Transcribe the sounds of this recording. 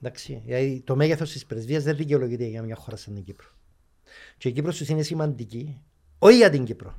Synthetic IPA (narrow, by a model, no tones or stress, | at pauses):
nd̪ɐksijɐt̪it̪o̞meɣeθo̞st̪ispɾezviɐzðeððiceolo̞ʝit̪eɣɐmɲɐxoɾɐsɐniɟipɾo̥ | ceicipɾost̪usinesimɐnd̪ici | oijɐt̪iɲɟipɾo